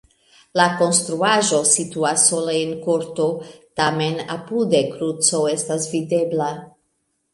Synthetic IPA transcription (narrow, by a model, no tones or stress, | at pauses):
lako̞nst̪ɾuaʒo̞situasːo̞leenkoɾtotame̞na̰pudekɾut͡soe̞stasvide̞bla